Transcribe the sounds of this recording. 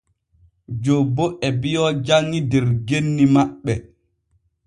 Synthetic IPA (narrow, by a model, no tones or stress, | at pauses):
d͡ʒobːɔʔɛbijɔd͡ʒaŋidɛɾɡenːimaɓːɛ